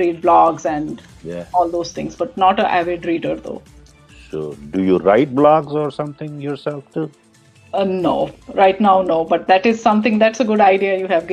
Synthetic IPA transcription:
ɾiːɖ̚blɔːɡzɛ̃ɳɖ | jɔːld̪oːz̥t̪ʰɪ̰̃ŋzbʌʈ̚nɔːʈəʔæʋɪɖɾiːɖəɾd̪o̰ː | so̰ːɖujuɾa̰ɪʈ̚blɔːɡzɔːɾsʌ̃mt̪ʰɪ̃ŋjɔːɾsɛlfʈuː | noːɾaɪʈnaʊnoːbʌʈ̚d̪æʈɪz̥sʌ̃mt̪ʰɪ̃ŋd̪æʈsəɡʊɖaɪɖiəjuːɦæʋɡ

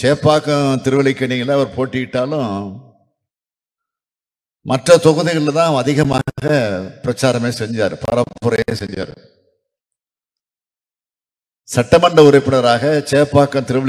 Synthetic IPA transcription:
t͡ʃeːpːaːkɐ̃t̪ɪɾɯʋɐɭɪkːɐniːŋɡɐlɐɐʋɐɾpoːʈːɪkɪʈːaːlʊ̃ | mʔɐʈrɐt̪ɔɣɐðɪɣɐɭɪlt̪ãːɐðɪɣɐma̰ːɣɐpɪɾɐt͡ʃːaːɾɐmeːsɛɲd͡ʒa̰ːɾɯpɐ̰ɾɐmpʊɾɐjeːsɛɲd͡ʒa̰ːɾɯ̰ | sɐʈːɐmɐɳɖɐʊɾɐɪpːɪɳɐɾaːɣɐt͡ʃeːpːaːkːɐ̃t̪ɪɾɯʋɐɭ

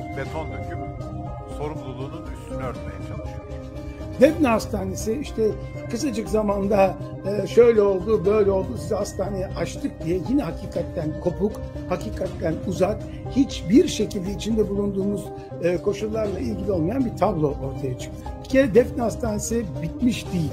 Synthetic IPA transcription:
vɛsond̪ycʲibu | so̞ɾumlˠulˠuːnunyst̪ʰynøɾt̪mḛjɛt͡ʃʰalˠɯʃ | d̪ɛfnast̪ʰaːnesiiʃt̪ʰɛ | kʰɯsad͡ʒɯkzamand̪a | ɯːʃø̞jlʲɛo̞lˠd̪ubø̞jlʲɛo̞lˠd̪usizast̪ʰaːnejɛʔaʃt̪ʰɯk̚d̪ijɛjinɛɦacʰiːkʰat̪ːænkʰo̞pʰukhacʰiːkʰat̪ːænuzak | hit͡ʃbiɾʃe̞cʰilʲd̪ɛit͡ʃʰind̪ɛbulˠund̪uːmuz̥ | ɯːkʰo̞ʃulˠːaɾlˠailʲɟilʲiolˠmajanbit̪ʰablˠo̞ʔoɾt̪ʰajat͡ʃʰɯ̥k̚cʰɛd̪ɛfnast̪ʰaːnesibit̪miʃd̪ijilʲ

